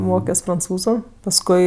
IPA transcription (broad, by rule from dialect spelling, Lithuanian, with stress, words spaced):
ˈmoːkʲoːs prɐnˈt͡suːzʊ pɐsˈkʊɪ